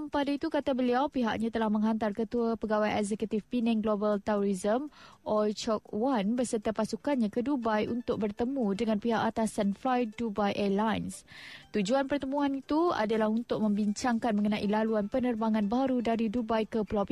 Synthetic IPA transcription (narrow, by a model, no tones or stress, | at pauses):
padait̪ukat̪abəliawpiɦa̰ʔɲat̪əlahmə̃ŋɦant̪arkət̪uapəɡawajɛkzɛkut̪ifpinɛ̃ŋɡlobalt̪ɛɾɔɾizəmʔɔt͡ʃɔk̚wanbərsərt̪apasukanɲãkədubajʔunt̪ʊk̚bərt̪əmũdəŋãnpiɦaʔat̪asanflajdubajʔɛlajnst̪ud͡ʒuanpərt̪əmũanit̪ua̰dalahunt̪ʊk̚mə̃mbiɲt͡ʃaŋkanməŋənãʔilaluanpənərbaŋãnbaɾudaɾidubajkəpəlawpi